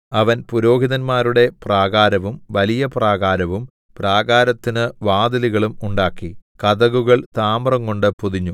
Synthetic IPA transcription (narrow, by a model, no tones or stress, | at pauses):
ɐʋɐnpuɾo̞ːɦiðɐnmaːɾuɽe̞praːɣaːɾɐʋumʋɐlijɐpraːɣaːɾɐʋum | praːɣaːɾɐt̪ːinɨʋaːd̪ɐliɣɐɭumuɳɖaːkːikɐðɐɣuɣɐɭt̪aːmrɐŋko̞ɳɖɨpuðiɲːu